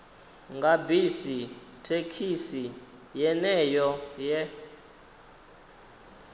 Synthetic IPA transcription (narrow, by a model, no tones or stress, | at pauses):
ŋɡʱabisi | tʰekʰisi | jɛnɛjɔjɛ